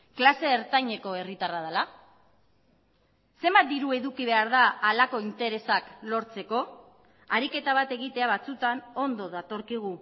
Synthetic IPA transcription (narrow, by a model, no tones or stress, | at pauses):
klase̞ːɾt̪aɲe̞ko̞e̞rit̪arað̞ala | se̞mbat̪̚d̪iɾue̞ðukiβe̞aɾðaːlako̞int̪e̞ɾe̞saklo̞ɾt͡se̞ko̞ | aɾike̞t̪aβ̞at̪e̞ɣ̞it̪e̞aβat͡sut̪ano̞nd̪o̞ðat̪o̞ɾkiɣ̞u